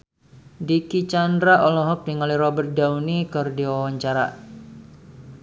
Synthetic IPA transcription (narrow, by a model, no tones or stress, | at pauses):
dikit͡ʃandɾaʔɔlɔɦɔk̚diŋaliɾɔbərt̪̚dawnikɔrdiwawaɲt͡ʃaɾa̰